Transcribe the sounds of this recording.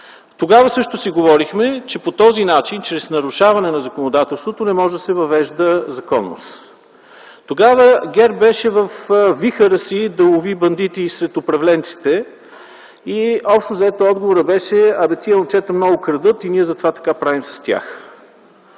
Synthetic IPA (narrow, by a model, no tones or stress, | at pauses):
t̪oɡavəsɤʃt̪ʊsiɡovɔɾixmɛt͡ʃɛpot̪ɔzinat͡ʃint͡ʃɾɛsnɐɾʊʃavɐnɛnɐzɐkonod̪at̪ɛlˠst̪vot̪onɛmɔʒɛd̪ɐsɛvɐvɛʒd̪əzɐkɔnːo̰s | t̪oɡavəɡʲɛɾbɛʃɛvəfvixəɾəsid̪ɐovibɐnd̪it̪isɾɛt̪ʊpɾɐvlɛnt̪si̥t̪ɛ | iɔpʃt̪ozɐɛt̪oɔd̪ɡovoɾəbɛʃɛɐbɛt̪iənt͡ʃɛt̪əmnɔɡʊkɾɐd̪ɤt̪iniɛzɐt̪ovat̪ɐ̥kapɾavimsɐ̥st̪ʲa̰x